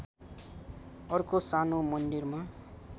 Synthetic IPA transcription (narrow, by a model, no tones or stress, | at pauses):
ʌrkosanomʌnd̪irma